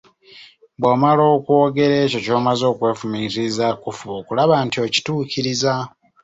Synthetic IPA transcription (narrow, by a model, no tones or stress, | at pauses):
βwoːmalo̞ːkwo̞ːɡe̞ɾe̞ːco̞co̞ːmazo̞ːkwe̞ːfumiːzizakufuokulaβaːntio̞ci̥tuːciɾiza